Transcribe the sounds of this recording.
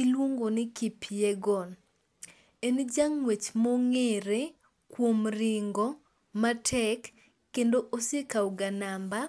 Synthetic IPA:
ilwoŋɡonɪkipʰijeɡɔn | end͡ʒaŋːwet͡ʃmoŋeɾe | kwomɾɪŋɡɔ | matʰɛkː | endoʔosekawɡanamba

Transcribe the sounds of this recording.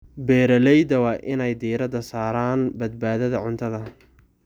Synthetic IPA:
bɛːɾɐlɛjd̪ɐwɑːʔɪnɛjd̪iːɾɐd̪ɐsaːɾaːnbɐd̪̚baːðɐðɐʕʊnt̪ʰɐðɐ

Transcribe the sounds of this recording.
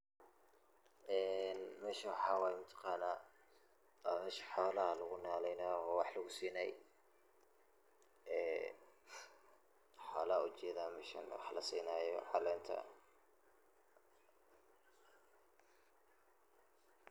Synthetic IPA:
ʔɛːnmɛːʃɐnwɑħɑːwajmɐt̪ʰɑ̥qɑːnaː | mɛːʃħɔːlɐɦɐlɐɣʊnaːlɛjnaːwɑħlɐɣʊsiːnɛj | ɛː | ħɔːlɐɦɐʊt͡ʃɛːðaːmɛʃɐ̰nwɑ̰ħlɐsḭːnajɔ̰ʕɑlɛːnt̪ʰɐ̰

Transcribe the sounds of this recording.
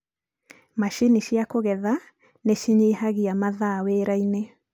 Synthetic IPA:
maʃiniʃiakoɣɛða | neʃiɲeːɦaɣiamaðaweɾaine

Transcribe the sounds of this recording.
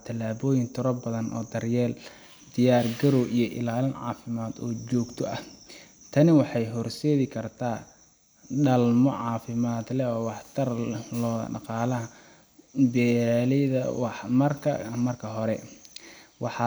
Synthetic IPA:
t̪ʰɐlaːβɔːjɪnt̪ʰʊɾɔbɐðɐnʔɔ̰ːd̪ɐrjɛːl | d̪ɪjaːrɡɐɾɔwʔijɞʔɪ̰laːlɪnʕɑ̰ːfɪmaːd̪ɔːd͡ʒɔːɡt̪ʰɔʔɐh | t̪ʰɐnɪwɑħɑjɦɔrsɛːðɪkʰɐrt̪ʰaː | ɖɐlmɔʕɑːfɪmaːd̪lɛɔːwɑħt̪ʰɐrlɔːðɐ̰ɖɑ̰qɑːlɐɦɐ | bɛːlɛðɐ̰wɑħmɐrkʰɐ̰mɐrkʰɐɦɔɾɛ | wɑħɑ

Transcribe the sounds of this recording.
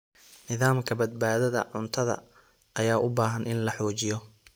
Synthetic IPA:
nɪðaːmkʰɐbɐd̪̚baːðɐðɐ̰ʕʊnt̪ʰɐðɐ̰ | ɐjaːʔʊbaːɦɐnɪnlɐħɔːt͡ʃɪjɔ

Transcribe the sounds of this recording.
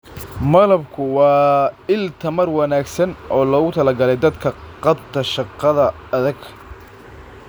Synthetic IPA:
mɐlɐbkʰʊwɑːɪlt̪ʰɐmɐrwɑnaːɡsɐnʔɔːlɔːɣʊt̪ʰɐlɐɡɐlɛjd̪ɐd̪kʰɐqɑbt̪ʰɐʃɑqːɑðɐ | ɐðɐɡ

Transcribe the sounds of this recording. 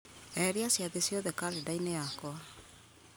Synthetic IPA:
ɛɾiasjaðesjoðɛkaɾedainejakwa

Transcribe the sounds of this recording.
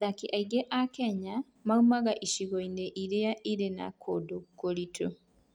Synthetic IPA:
ðakiʔaiɡeʔakɛɲa | maumaɣaʔiʃiɣoindeʔiɾejaʔiɾena̰kʰodokolitʰo

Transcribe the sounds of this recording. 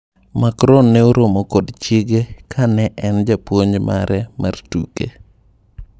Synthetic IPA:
makɾɔnːɛoɾomokodt͡ʃɪɡekʰanɛʔɛnd͡ʒapwoɲd͡ʒma̰ɾɛma̰rtṵkḛ

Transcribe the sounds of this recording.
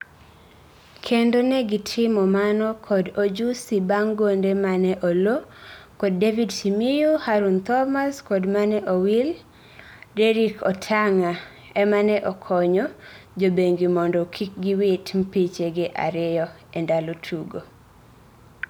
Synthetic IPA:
kʰendonɛɡɪtʰɪmɔmanɔkʰɔdod͡ʒusibaŋɡondemanɛʔolokɔd̚ːevidsimijuhaɾunt̪ɔmaskɔdmanɛʔowil | dɛɾikɔtʰaŋa | ɛmanɛʔɔkʰɔɲɔd͡ʒobeŋɡimɔndɔkʰik̚ɡiwɪtm̩pit͡ʃeɡɪʔa̰ɾɪjɔ | ɛndalotʰuɡo

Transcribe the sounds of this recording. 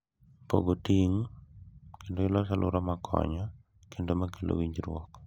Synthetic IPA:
po̰ɡotiŋ | kendoɪlɔs̬alʔʊɾɔmakʰɔ̰ɲɔ | kendomakelo̰wiɲd͡ʒɾwɔ̰k

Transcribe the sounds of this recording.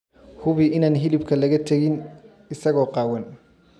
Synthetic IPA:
hʊβɪʔɪnaːnɦɪlɪbkʰɐlɐɣɐt̪ʰɐɣɪn | ɪsɐɣɔːqɑːwɐn

